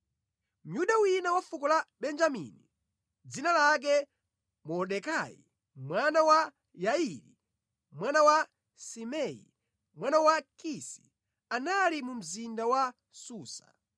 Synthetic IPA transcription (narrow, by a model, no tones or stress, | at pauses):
m̩juɗawinawafukɔlaɓɛnd͡ʒamḭni | d͡zinalak̬ɛ | mɔɗɛkajḭ | mwanawa | jaiɾi | mwanawa | simɛḭ | mwanawakisḭ | analimum̩zindawa | suːsa̰